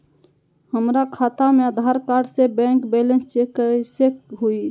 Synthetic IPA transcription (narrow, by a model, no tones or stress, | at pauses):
həmɾakʰat̪ameəd̪ʱaɾkaɾɖsebɛ̃ŋkbelẽnst͡ʃekəsekɦui